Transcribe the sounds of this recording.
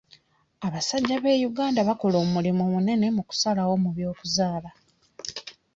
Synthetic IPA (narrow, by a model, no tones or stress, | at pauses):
aβasaɟːaβe̞ːjuɡaːndaβako̞lo̞ːmmulimomune̞ne̞muku̥salawo̞muβjo̞ːkuzaːla